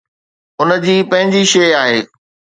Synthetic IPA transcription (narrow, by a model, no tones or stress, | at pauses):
ʊnə̆d͡ʑiːpɐ̃ɦɪ̃ɲd͡ʑiʃeːaːɦeː